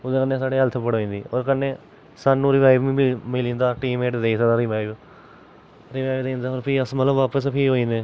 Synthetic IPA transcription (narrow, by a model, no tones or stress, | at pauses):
ʊd̪eːkənːẽːsaːɽeːəlt̪ʰpəɽoːĩːnd̪iːoːɾkənːeː | saːnːũːɾɪʋaːɪʋĩːbimɪlĩːnd̪aːʈiːmeːʈd̪eisəd̪aːɾɪʋaːɪb | ɾɪʋaːɪʋd̪ẽːnd̪aːɦoːɾpʰiːəsmət̪ləbʋaːpəspʰiːɦoːĩːnd̪eː